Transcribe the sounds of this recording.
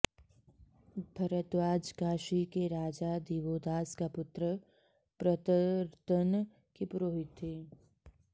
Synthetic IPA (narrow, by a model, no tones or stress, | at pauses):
bʱɐɾət̪ʋaːd͡ʒkaːʃikeɾaːd͡ʒad̪iːʋoːd̪aːskapʊt̪ɾə | pɾət̪əɾt̪ən | kipʊɾoːɦɪt̪ɦeː